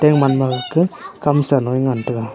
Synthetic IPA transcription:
tɛŋmanmaɡɯkːɯkamsanɔjŋantɯɡa

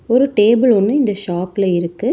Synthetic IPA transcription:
ɔɾɯʈeːbɪlɔnːɯɪnd̪ɐʃaːpɪlɐɪɾɯkːɯ

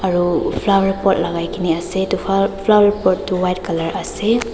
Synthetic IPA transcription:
aɹupʰlawɾipɔt̚laɡajkiniasetuapʰlawaɹpɔt̚tuwajtkalaɹase

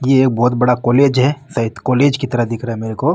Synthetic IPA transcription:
jeeːk̚bɔːt̪bɐɽakoːleːd͡ʒɦɛsɐɦɪt̪koːleːd͡ʒkit̪ɐɾaɦd̪ɪkʰɾaɦɛmeːɾekoː

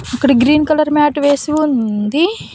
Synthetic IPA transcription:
ɐkːɐɽiɡɾiːnkɐlɐɾmaːʈʋeːsiund̪i

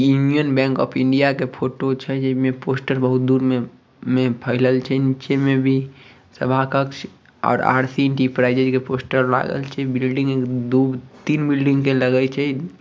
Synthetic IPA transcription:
junijənbɛ̃ːŋkɔ̰ːpʰɪ̃ɳɖijakepʰoːʈot͡ʃʰɛd͡ʒɛmẽpoːsʈəɾbəɦut̪̚d̪uːɾme | mepʰəɪləlt͡ʃʰɛnit͡ʃemẽbʱi | səbʱakəks | ɔ̰ːɾa̰ːɾsinʈipɾaɪd͡ʒəd͡ʒkepoːsʈəɾla̰ɡə̰lt͡ʃʰɛbɪlɖĩŋɡekd̪uːbt̪iːnbɪlɖĩŋɡkeləɡət͡ʃʰɛ

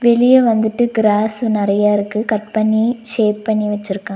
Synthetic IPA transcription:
ʋɛɭɪjɐʋɐnd̪ɯʈːɯɡɪɾaːsnɪɾɐjaːɪɾɯkːɯkɐʈ̚pɐɳːiʂeːp̚pːɐɳːiʋɐt͡ʃːɪɾɯkːãː

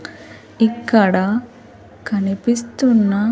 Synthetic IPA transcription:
ikːɐɽɐ | kɐnipist̪unːɐ

